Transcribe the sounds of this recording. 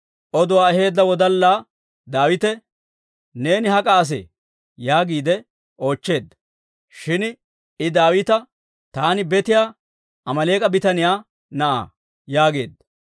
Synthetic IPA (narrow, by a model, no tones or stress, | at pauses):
ʔɔd̪ʊwaːɛɦe̞ːd̪ːɐwɔd̪ɐlːaː | d̪aːwɪt̪ɛ | ne̞ːnɪhɐkʼaːs̬ḛ | jaːɡiːd̪ɛ | ʔo̞ːt͡ʃːe̞ːd̪ːɐ̥ | ʃɪn | ɪd̪aːwɪt̪ɐ | t̪aːnɪbɛt̪ɪjaː | ɐmɐle̞ːkʼɐbɪt̪ɐnɪjaː | nɐʔa̰ː | jaːɡe̞̰ːd̪ːɐ